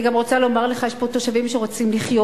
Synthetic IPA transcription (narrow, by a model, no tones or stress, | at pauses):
ɡamʁo̞t͡salo̞maʁleχajeʃpo̞t̪o̞ʃavimʃeʁot͡simliχjo